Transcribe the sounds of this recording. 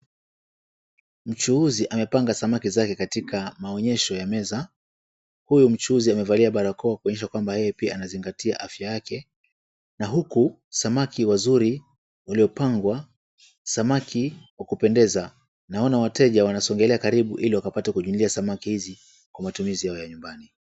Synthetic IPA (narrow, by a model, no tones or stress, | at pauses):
m̩t͡ʃuuziʔamɛpaŋɡasamakizakɛkatikamaɔɲɛʃɔjamɛza | hujum̩t͡ʃuuziamɛvaliaɓaɾakɔakuɔɲɛʃakwambahɛjɛpiaːnaziŋɡatia̰ʔafjajakɛ | naɦuku | samakʰiwazuɾi | waliɔpaŋɡwa | samakʰiwakupɛndɛza | naɔnawatɛʄawanasɔŋɡɛlɛakaɾiɓuʔiliwakapatɛkuʄumliasamakihizi | kwamatumizijaɔjaɲumbani